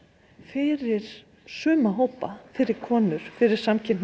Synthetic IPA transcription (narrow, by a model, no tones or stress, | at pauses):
fɪɾɪɾ̥ | sʏːmaɦoːwpa̰fɪɾɪɾ̥kʰɔːnʏɾ̥fɪɾɪɾ̥samcʰɪnn